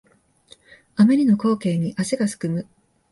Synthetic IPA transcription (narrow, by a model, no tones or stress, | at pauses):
ameɾʲino̞ko̞ːke̞ːɲ̟iʔaseɡasɨ̥kɯ̟mɯ̟